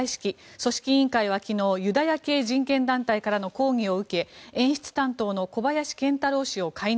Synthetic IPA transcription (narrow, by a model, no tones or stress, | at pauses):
iɕi̥kʲiso̞ɕi̥kʲiĩŋkaiβ̞akʲino̞ːjɯ̟d̪ajake̞ːʑĩŋkẽ̞nd̪ãnt̪aikaɾano̞ko̞ːŋʲio̞ɯ̟ke̞ẽ̞ɰ̃ɕi̥t͡sɨ̥t̪ãnt̪o̞ːno̞ko̞bajaɕi̥kẽ̞nt̪aɾo̞ːɕio̞kʰai